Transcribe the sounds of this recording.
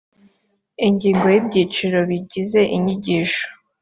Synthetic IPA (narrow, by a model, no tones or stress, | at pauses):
iɲɟiːŋɡo̞jibɟiːt͡ʃiɾo̞βiɟize̞ʔiɲiɟiːʃo̥